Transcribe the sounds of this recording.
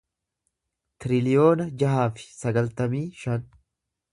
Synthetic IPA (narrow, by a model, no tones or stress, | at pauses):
t̪ɪɾɪlɪjo̞ːnɐd͡ʒɐɦaːfɪ̥sɐɡɐlt̪ɐmiːʃɐn